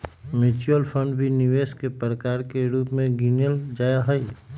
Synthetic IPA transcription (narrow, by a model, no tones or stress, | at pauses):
met͡ʃuəlpʰə̃ɳɖbʱiniʋeːskepɾəkaːɾkeɾuːpmẽɡinjəld͡ʒaːjaɦəi